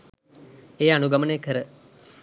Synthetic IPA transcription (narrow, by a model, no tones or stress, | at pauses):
eːanuɡamənəjkəɾə